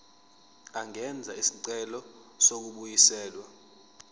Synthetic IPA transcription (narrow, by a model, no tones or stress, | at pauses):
aŋɛnd͡zʱaisi̥ǀɛlɔ | sok̬uɓujisɛːlwa